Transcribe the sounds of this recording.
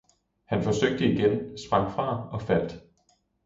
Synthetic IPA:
hænfɒ̽søɡ̥̚d̥əiɡ̥ensb̥ʁɑ̈ŋ̰fʁɑ̈ːɒ̽fæl̰d̥

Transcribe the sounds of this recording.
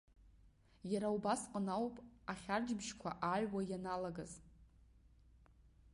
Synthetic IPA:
jaɾaubasqʼənawpʼaχʲard͡ʒbʒkʷʰa̰ʔaʕʲwajanalaɡaz

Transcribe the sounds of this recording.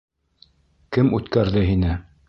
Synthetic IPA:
kɘmʉt̪kæɾðɘɦinɘ

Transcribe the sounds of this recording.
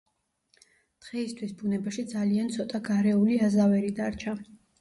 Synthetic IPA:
dt̪ʁɛist̪ʰwisbunɛbaʃid̪zaliant̪sʰɔt̪ʼaɡaɾɛuliazavɛɾid̪aɾt͡ʃʰa

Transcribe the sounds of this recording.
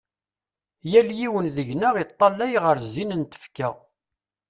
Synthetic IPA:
jæljiwənðəʝnəʁit̪ˤːɑlːæjʁəɾzːinənt̪ə̥fkæʁ

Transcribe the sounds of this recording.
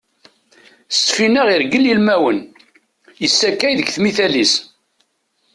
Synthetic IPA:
st̪finəʁiɾɡəlilmæwən | jəsːækːæjðəɡθmiθælis

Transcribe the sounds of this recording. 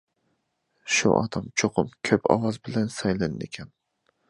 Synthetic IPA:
ʃṵʔɒ̰d̪amt͡ʃʰoqʰʊmkʲʰøpʰɒ̰wɑzbɪlɛnsɑjlanɨnekʲʰɛn

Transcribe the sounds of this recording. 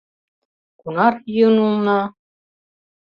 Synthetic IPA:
kunɑɾjɯnunɑ

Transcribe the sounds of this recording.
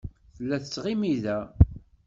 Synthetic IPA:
θəlːæθət͡sːʁimiðæ

